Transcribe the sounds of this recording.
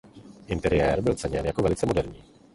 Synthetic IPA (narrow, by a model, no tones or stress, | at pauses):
ʔɪnt̪ɛɾɪjɛɾbɪlt͡sɛɲɛnjakovɛlɪt͡sɛmo̞dɛɾɲiː